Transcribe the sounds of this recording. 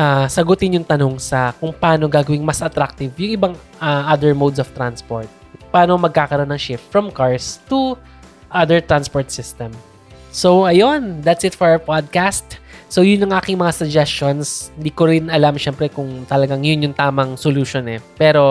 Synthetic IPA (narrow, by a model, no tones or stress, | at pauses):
ʔasɐɡʊt̪ɪnjʊŋt̪ɐno̞ŋsɐkʊŋpɐʔaːno̞ɡaːɡɐwɪŋmɐsʔɐt̪ɾak̚t̪ɪvjʊŋʔɪbaŋ | aʔad̪ɛɹmowd̪sɔft̪ɾanspoɹt̪̚paːnomɐɡ̚kaːkɐɾo̞nːɐŋʃɪft̪fɹɐmkaɹst̪ʊ | ʔad̪ɛɹt̪ɾanspoɹt̪sɪst̪ɛm | sowʔɐjond̪at̪sɪt̪fɔɹɐpad̪̚kast̪sowjʊnːɐŋʔaːkɪŋmɐŋasɐɡd͡ʒɛstt͡ʃonshɪnd̪iːkoɾɪnɐlamʃɛmpɾɛkʊŋt̪ɐlɐɡaŋjʊnjʊŋt̪aːmɐŋsoluːʃonɛpɛːɾo̞